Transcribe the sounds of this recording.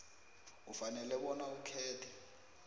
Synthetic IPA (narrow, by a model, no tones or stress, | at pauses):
ufanɛlɛɓɔnaukʰɛːtʰɛ